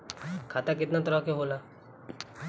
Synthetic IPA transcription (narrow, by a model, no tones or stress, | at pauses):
kʰaːt̪ak̬ɪt̪nat̪əɾəɦkeɦoːlaː